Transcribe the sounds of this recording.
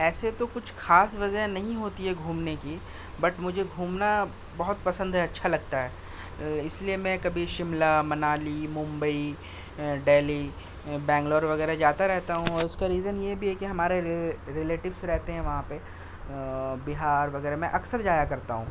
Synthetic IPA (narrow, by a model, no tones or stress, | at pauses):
ɛːset̪okʊt͡ʃʰxaːsʋɐzɛnɐɦĩɦoːt̪iɦɛɡʱuːmneki | bɐʈmʊd͡ʒʱeɡʱuːmna | bɐɦʊt̪pɐsə̃nd̪ʱɦɛɐtːʃʰalɐɡ̚t̪aɦɛː | ɪsliemɛ̃kɐbʱiʃɪmlamɐnaːlimʊ̃mbəi | ɖeːli | bɛ̃ːŋɡloːɾʋɐɣɛːɾaɦd͡ʒaːt̪aɾɛɦt̪aɦũɔːɾʊskaɾiːzənjebʱiɦɛkiɦɐmaːɾeɾeleːʈɪʋsɾɛɦt̪eɦɛ̃ʋɐɦãpe | bɪɦaːɾʋɐɣɛːɾmɛ̃ʔɐksəɾd͡ʒaːjakɐɾt̪aɦũː